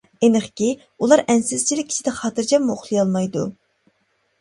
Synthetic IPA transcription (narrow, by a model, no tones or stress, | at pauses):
enɨχkʲi | ulˠɑɾɛnsɪz̥t͡ʃʰilɪkʲʰːi̥t͡ʃʰid̪ɛχɑːt̪ɨɾd͡ʒɛmmuoχlˠɨjɑlˠmɑjd̪ṵ